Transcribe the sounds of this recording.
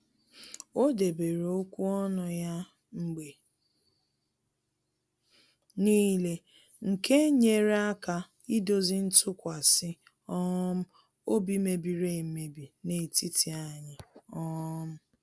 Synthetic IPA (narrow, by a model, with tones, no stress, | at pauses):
o˦de˨be˨ɾe˨o˦kʷu˦ɔ˦nʊ˨ja˦ | ŋ͡m̩˦ɡ͡be˨ | niː˦le˦ | ŋ̩˨ke˦ɲe˦ɾe˦a˦ka˨ | i˦do˦zi˦n̩˦tʰʊ˦kʷa˨sɪ˦ | ɔ˦m̩˦ | o˦bi˦me˨bi˨ɾe˦˨˦me˨bi˨ne˨ti˦ti˨a˨ɲɪ˨ɔ˦m̩˦